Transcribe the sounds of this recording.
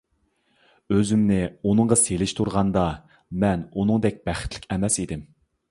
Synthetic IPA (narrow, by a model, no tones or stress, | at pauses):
øzymnɪunɨɴʁɑselɪʃt̪ʰuɾʁɑnd̪ɑ | mɛnunɨŋd̪ɛk̚ʲb̥æχɪ̥t̪ʰlɪ̥kʲɛmɛsid̪ɪm